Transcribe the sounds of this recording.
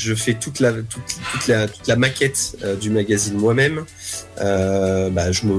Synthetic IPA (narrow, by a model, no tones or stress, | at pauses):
ʒəfɛt̪ut̪lat̪ʰut̪t̪ːut̪lat̪u̥t̪lamakʲɛt̪ød̪ymaɡʲazinmwamɛm | øbaʒəmə